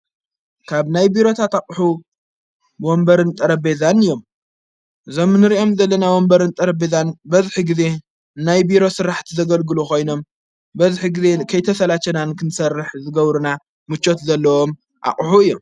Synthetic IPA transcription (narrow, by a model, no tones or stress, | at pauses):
kʰaβnajbiɾo̞t̪ʰat̪akʼħu | wombɐɾɨnt̪ʼɐɾɐbezanɨjːo̞m | ʔɨzo̞mnɨɾiʔo̞mzɐlːɐnawo̞mbɐɾɨnt̪ʼɐɾɐbezanbɐzħiɡize̞ | najbiɾo̞sɨɾaħt̪ʰizɐɡɐlɡɨluko̞jno̞m | bɐzħiɡize̞kʰɐjt̪ʰɐsɐlat͡ʃɐnankʰɨnsɐrːɨħzɨɡɐβɾuna | mɨt͡ʃʼːo̞t̪zɐlːɐwo̞m | ʔa̰χʼħuɨjːom